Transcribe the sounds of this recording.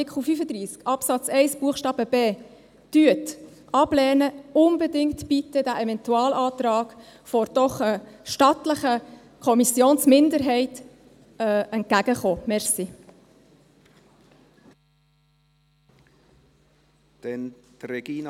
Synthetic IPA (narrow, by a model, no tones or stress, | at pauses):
ɪkχlufyfəd̪ɾiːskɑpsɑt͡sɛɪsb̥uəχʃtɑːbəbeː | d̥yət | ʔɑb̥lɛːnəʊnbədɪŋtb̥itədæʔɛvɛntuɑːlʔɑːtɾɑːɡ̥ | fɔɾd̥ɔχəʃtɑtləχə | kʰɔmisjoːnsmɪndəɾɦɛɪtː | ɛnt̚kæɡəχoːmɛɾsi | d̥ɛntɾɛɡin